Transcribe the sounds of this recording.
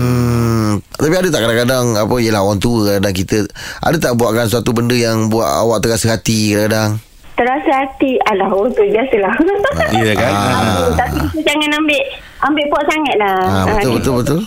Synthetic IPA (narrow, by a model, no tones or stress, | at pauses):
m̩ | t̪apiadət̪aʔkadaŋkadaŋapəijəlahɦowaŋt̪uəkakadaŋkit̪əʔa̰dət̪aʔbuaʔkansuat̪ubəndəjaŋbua̰ʔa̰waʔt̪əɾasəɦat̪ikadaŋkadaŋ | t̪əɾasəhat̪ialahowaŋt̪uəbiasəlajəkat̪apikit̪əd͡ʒaŋanambɪʔ | ambɪʔpɔʔ̪̚saŋat̪̚lahabət̪ʊlbət̪ʊlbət̪ʊl